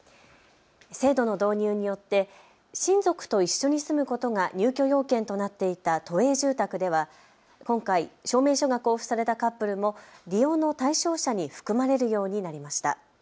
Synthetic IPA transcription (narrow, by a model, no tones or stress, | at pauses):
se̞ːd̪o̞no̞d̪o̞ːɲ̟ɯːɲ̟ijo̞t̪ːe̞ | ɕĩnzo̞kɯ̟̥t̪o̞iɕːo̞ɲ̟isɨmɯ̟ko̞t̪o̞ŋaɲ̟ʲɨːkʲo̞jo̞ːkẽ̞nt̪o̞nat̪ːe̞it̪at̪o̞e̞ːʑɨːt̪akɯ̟d̪e̞β̞a | kõ̞ŋkaiɕo̞ːme̞ːɕo̞ɡakoɸɯ̟̥saɾe̞t̪akapːɯ̟ɾɯ̟mo̞ɾʲijo̞ːno̞t̪aiɕo̞ːɕaɲ̟iɸɯ̥kɯ̟maɾe̞ɾɯ̟jo̞ːɲ̟inaɾʲimaɕi̥t̪a̰